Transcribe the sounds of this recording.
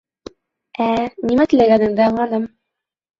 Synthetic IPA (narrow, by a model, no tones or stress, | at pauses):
ænimæt̪ɘ̆læɡænɘ̆ŋd̪æɤɴɑnɤm